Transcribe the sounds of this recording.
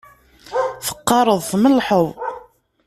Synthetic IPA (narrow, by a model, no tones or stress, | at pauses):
θə̥qːɑɾˤəðˤθməlːħəðˤ